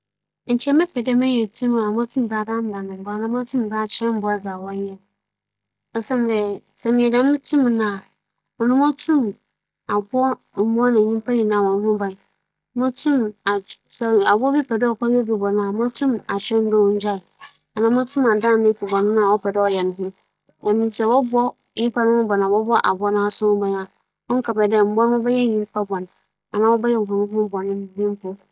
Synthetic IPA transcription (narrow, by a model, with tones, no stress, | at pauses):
n̩˨t͡ɕi˨˦ɛ˦mɪ̃˦pɛ˨dɛ˦mɛ̃˦jɛ˨tʰũ˦˨˦a˨mã˦tʰũ˦m˨ba˨dã˦n̩˦dã˨nɪ̃˨m˨ba˨nã˦mã˦tʰũ˦m˨ba˦t͡ɕʰɛ̃˦m̩˨˦bɔ˦ɛ˦d͡za˨wɔ̃˦ɲ˦ɛ̃˦ | ɔ˦sɛ̃˦n˨dɛ˨ | sɛ˨mɪ̃˨ɛ˨dã˨mɪ̃˦tʰũ˦m˨nã˨ | ɔ˨nʊ̃˦mɔ̃˦tʰũ˦m | a˨bʊ˦ɔ˦ | m̩˨mʊ˦ɔ˦nã˨ɲĩ˦pa˦ɲi˨nã˨wɔ̃˨n˦hʊ̃˦ba˨˦ | mã˦tʰũ˦ma˨ | sɛ˨a˨bɔ˦bi˦pʰɛ˨dɛ˦ɔ˨ka˦o˦bi˨bɔ˨nãː˨˦mã˦tʰũ˦ma˨t͡ɕᶣɛ˦n̩˦dɔ˦wɲ̩˦d͡ʑᶣa˦˨ | a˨nã˨˦mã˦tʰũ˦ma˨dã˦˨nɪ̃˦pʰi˨bɔ˨nʊ̃˦nã˦˨wɔ˦pʰɛ˨dɛ˦ɔ˨jɛ˨nʊ̃˨ɦʊ̃˦ | wɛ˨mĩ˦sɛ˨wɔ˦bɔ˦ | i˦pa˦nʊ̃˦hʊ̃˦bɔ˨nãː˨wɔ˦bɔ˦ʔa̰˨bɔ˦nãː˦˨sʊ̃˦bã˨ɲa˨ | ɔ˦ŋ̩˦ka˨bɛ˨dɛ˦m̩˨bɔ˦n˦ʊ̃˦bɛ˦jɛ˦ɲĩ˦m˦pʰa˦bɔ̃˨n˨ | a˨nã˦wɔ˦bɛ˦jɛ˦˨hɔ̃˨nʊ̃˦hʊ̃˦bɔ˨nɪ̃˦n˨bĩ˦m˦pʊ˦